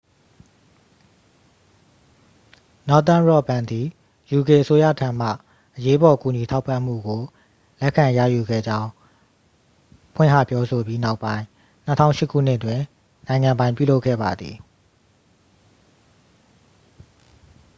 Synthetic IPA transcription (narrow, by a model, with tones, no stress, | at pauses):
nɔ˦t̪̬ã˦nɹɔ˦˨bã˨nd̪i˨ | ju˨ke˨ʔəso˦ja̰˦˨tʰã˨m̥a̰˦˨ | ʔəje˦bɔ˨ku˨ɲi˨tʰa˦ʊpːã˦˨m̥ṵ˦˨ɡo˨ | lɛ˦ʔkʰã˨jä̰˦˨ju˨ɡɛ̰˦˨d͡ʑã˦ʊ̃ | pʰw̃ɪ̰̃˦˨ɦä̰˦˨pjɔ˦so˨bji˦na˦ʊpːã˦ɪ̃ | n̥ə˦tʰã̰˦ʊ̃ʃɪ˦kʰːṵ˦˨n̥ɪ˦ʔtwɪ̃˨ | nã˨ɪ̃ŋã˨mbã˦ɪ̃pjṵ˦˨lo˦ʊkʰːɛ̰˦˨ba̰˨d̪ðḭ˨